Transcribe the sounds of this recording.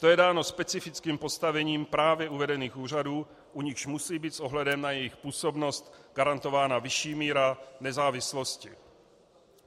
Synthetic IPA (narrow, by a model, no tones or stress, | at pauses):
t̪ojɛdaːnospɛt͡sifit͡skiːmpost̪avɛɲiːmpɾaːvjɛuvɛdɛniːxuːr̝aduː | ʔuɲixʒ̥musiːbiːt̪soɦladɛmnajɛjɪxpuːsobnost̪ɡ̥aɾant̪ovaːnaviʃiːmiːɾanɛzaːvɪsloscḭ